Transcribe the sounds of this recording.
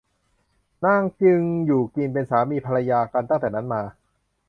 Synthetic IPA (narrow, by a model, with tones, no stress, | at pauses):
na˥˩ŋt͡ɕɯ˧ŋjuː˨˩kliː˧np̬e˧nsaː˩˦miː˧pʰa˧ɾa˧jaː˧ka˧nt̪a˥˩t̪ɛː˨˩na˦˥nmaː˧